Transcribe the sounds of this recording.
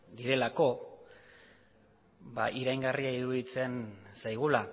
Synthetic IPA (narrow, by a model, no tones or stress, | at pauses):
d̪iɾe̞lako̞ | ba̰ʔiɾajŋɡariaiðuðit͡se̞nsajɣ̞ula